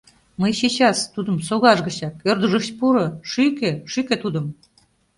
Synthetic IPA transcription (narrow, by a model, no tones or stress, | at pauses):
məjɕit͡ɕɑst̪ud̪əmsoɣɑʒɣə̆t͡ɕɑk̚ørd̪əʒəʃpuɾɤ̆ʃykeʃykĕt̪ud̪ə̆m